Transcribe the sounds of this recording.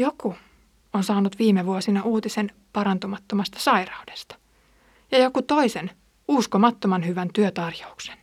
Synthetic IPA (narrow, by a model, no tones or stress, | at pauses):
joku | onsɑːnut̪ʋiːmeʋuosinɑʔuːt̪isen | pɑɾɑnt̪umɑt̪ːomɑst̪ɑ̥sɑjrɑudest̪ɑ̥ | jɑjo̞kut̪o̞isen | uskomɑt̪ːomɑnɦyʋænt̪yøt̪ɑrjoukse̥n